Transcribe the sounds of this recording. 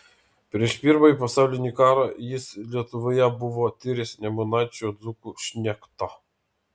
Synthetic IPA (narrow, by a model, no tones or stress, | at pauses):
pʲɾʲiɛʃpʲiːɾmɐipɐsɑʊlʲɪnʲikɑːɾɑjɪslʲiɛt̪ʊʋojɛbʊʋɔt̪ʲɪɾʲɪsʲnʲɛmʊnɑt͡ʃʲod̪zukuʃʲnʲɛkt̪ɑ